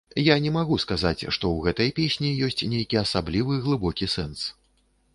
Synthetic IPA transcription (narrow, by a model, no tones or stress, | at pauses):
janʲɛmaɣuskazat͡sʲʂt̪ɔwɣɛt̪ɐjpʲesʲnʲijɔsʲt͡sʲnʲejkʲiɐsablʲivɨɣlˠɨbɔkʲisɛns